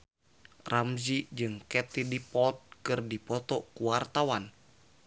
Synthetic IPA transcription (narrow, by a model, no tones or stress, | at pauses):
ramzid͡ʒɨŋkɛt̪idipɔt̪̚kɨrdipɔt̪ɔkuwart̪awan